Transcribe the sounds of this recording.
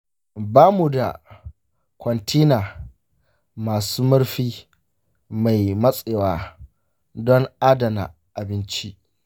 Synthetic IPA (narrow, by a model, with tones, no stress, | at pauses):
baː˦mu˨da̰˨ | kʷɔ˨ntʰiː˦naː˨ | maː˨suː˦mɐ˦ɽɸiː˦ | ma˨jmɐ˦sʼeː˨waː˨ | dɔ˦ŋʔa˦dɐ˨na̰˨ | ʔa˨bɪ˦nt͡ʃi˦ʔ